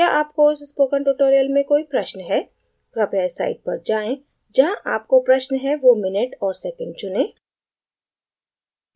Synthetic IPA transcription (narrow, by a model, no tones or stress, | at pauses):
jaʔaːp̚koʊsɪspoːkə̃ɳʈuːʈoːɾijəlmẽkoːipɾɐʃnɦɛː | pɾɐpjaːsa̰ːɪɖ̚pɐɾd͡ʒaːẽ | d͡ʒɐɦãʔaːp̚kopɾɐʃnɦɛʋomɪnəʈɔːɾsɛːkə̃ɳɖ̚t͡ʃʊnẽː